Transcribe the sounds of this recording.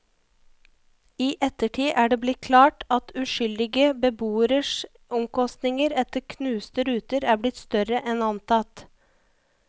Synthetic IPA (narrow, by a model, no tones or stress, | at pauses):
iːʔɛt̪əʈʰiːʔæːɖeːblɪt̪̚kʰlɑːʈɑt̪ʉʃʏld̪ɪɡəbəbuːəɾəʃ | ʔɔmkɔst̪nɪŋəɾɛt̪əɾkʰnʉːst̪əɾʉːt̪əɾæːblɪt̪st̪œɾəʔɛnɑnt̪ʰɑt̪